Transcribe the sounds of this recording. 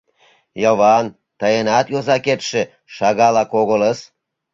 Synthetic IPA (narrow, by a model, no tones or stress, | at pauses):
joβɑn | t̪ɑjenɑt̪jozɑket̪ʃĕ | ʃɑɣɑlɑkoɣoləs